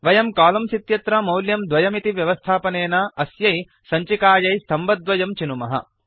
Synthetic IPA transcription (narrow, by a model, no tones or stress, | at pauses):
ʋɐjɐmkaːlɐmsit̪jɐt̪ɾɐmɐwljɐmd̪ʋɐjɐmit̪iʋjɐʋɐst̪ʰaːpɐneːnɐɐsjɐj | sɐɲt͡ʃikaːjɐjst̪ʰɐmbɐd̪ʋɐjɐmt͡ʃinumɐɦɐ̰